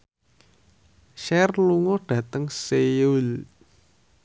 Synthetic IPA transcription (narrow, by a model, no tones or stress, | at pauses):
ʃɛrluŋɔɖ̥ä̤t̪əŋseul